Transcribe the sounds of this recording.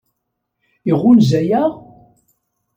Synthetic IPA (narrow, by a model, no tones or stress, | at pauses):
iʁʊlzæjæʁ